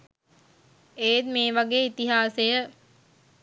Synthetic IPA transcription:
eːd̪meːʋaɡeːit̪iɦaːsejə

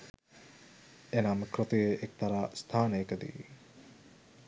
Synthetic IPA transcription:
enaməkrot̪ujeʔek̚t̪aɾaːst̪ʰaːnəjəkəd̪ḭʋi

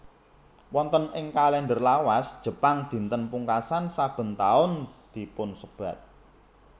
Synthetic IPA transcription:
wɔnt̪ənɪŋkalɛndərlawasd̥ʒ̥ə̤paŋd̪̥i̤nt̪ənpuŋkasansab̥ə̤nt̪aʊnd̪̥i̤pʊnsəb̥ä̤t̪̚

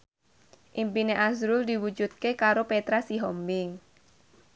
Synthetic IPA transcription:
ʔimpineʔasɾʊld̪iwud͡ʒut̪̚kekaɾopet̪ɾasiɦɔmbɪŋ

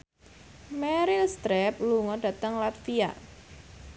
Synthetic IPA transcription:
mɛɾilst̪ɾɛp̚luŋɔɖ̥ä̤t̪əŋlat̪fia̰

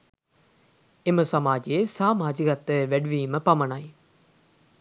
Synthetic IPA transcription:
eməsɐmaːd͡ʒiesaːmaːd͡ʒikɐt̪ːəʋæɖuʋiːməpɐmɐnɐj

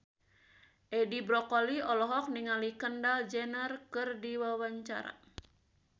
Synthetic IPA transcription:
ʔɛdibɾɔkɔliɔlɔɦɔk̚niŋalikəndald͡ʒɛnərkɨrdiwawaɲt͡ʃa̰ɾa̰

